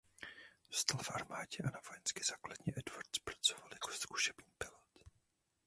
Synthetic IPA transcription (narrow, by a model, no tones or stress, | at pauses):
ost̪alfʔaɾmaːɟɛʔanavojɛnskɪz̥aːkladɲɛʔɛdvaɾt̪spɾḁt͡sovaljako̥sku̥ʃɛbɲiːpɪlot̪